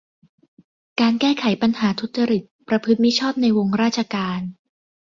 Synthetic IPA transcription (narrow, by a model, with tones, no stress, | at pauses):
kaː˧nkɛː˥˩kʰa˨˩˦jpa˧nhaː˩˦t̪ʰu˦˥t̪̚t͡ɕa˧ɾi˨˩t̪̚pɾa˧pʰɯ˦˥t̪̚mi˦˥t͡ɕʰɔː˥˩t̪̚na˧jwo˧ŋɾaː˥˩t͡ɕʰa˧kaː˧n